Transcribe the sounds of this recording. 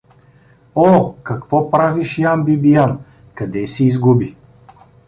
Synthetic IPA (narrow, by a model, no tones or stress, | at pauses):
ɔkɐkvɔpɾaviʃjambibijan | kɐd̪ɛsɛizɡubi